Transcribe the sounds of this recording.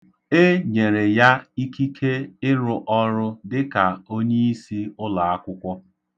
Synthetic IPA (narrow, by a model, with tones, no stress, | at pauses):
e˦ɲe˨ɾe˨ja˦i˦ki˦kʰe˦ɪ˦ɾʊ˨ʔɔ˦ɾʊ˦dɪ˦ka˨o˦ɲe˦i˦si˦ʊ˦la˨a˦kʷʊ˦kʷɔ˦